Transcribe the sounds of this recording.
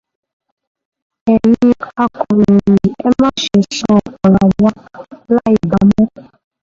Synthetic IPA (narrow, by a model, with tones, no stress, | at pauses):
ɛ˨ji˦a˦ku˨ɾi˨i˨ɛ˦mɔ˦ʃe˨sɔ˦ɔ˨la˨wa˦la˦i˨ba˨mɔ˦